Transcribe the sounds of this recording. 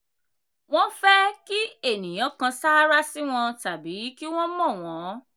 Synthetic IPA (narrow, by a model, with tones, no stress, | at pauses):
w̃ɔ̃˦fɛ˦ki˦e˦˨nĩ˨j̃ã˨˦kã˧sa˦ɾa˦si˦w̃ɔ̃˧ta˨bi˨˦ki˦w̃ɔ̃˦mɔ̃˦˨w̃ɔ̃˨˦